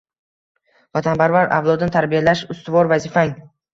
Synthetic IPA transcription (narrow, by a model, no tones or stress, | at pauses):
vat̪ʰanpʰaɾvaɾa̰vlˠɒd̪ɪnɪt̪ʰaɾbijalaʃʊst̪ɪvɒɾvazifaŋ